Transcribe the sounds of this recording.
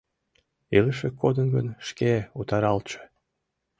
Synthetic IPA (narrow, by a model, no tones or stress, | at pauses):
iləʃekʰːod̪ənɡənʃkeut̪ɑɾɑlt͡ʃe̥